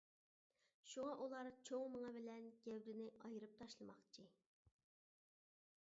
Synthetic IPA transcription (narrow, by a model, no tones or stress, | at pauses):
ʃuŋɑʔulˠɑɾt͡ʃʰoŋməŋɑbɪlɛnɡ̥ʲɛwd̪ɪnɪʔɑjɨɾɨp̚t̪ʰɑʃlˠɨmɑχt͡ʃʰi